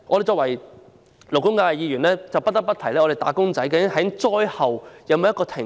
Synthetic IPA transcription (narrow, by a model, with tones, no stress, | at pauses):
ɔ˧ɾe˨jt͡sɔː˧kwɐ˨˩j | lo˨˩wkʊ˥ŋkaː˧˨˧jiː˨˧jyː˨˩nɛː˥t͡sɐ˨wpɐ˥t̚t̪ɐ˥pɐ˥t̪ʰɐ˨˩jlɛː˥ɔː˨˧e˨˩t̪aː˨˥kʊ˥ŋt͡sɐ˨˥jkaː˧ɪ˥hɐ˨˥jt͡sɔː˥jhɐ˨wjɐ˨˧wmː˨˧jɐ˥kɔː˧t̪ʰɪ˨˩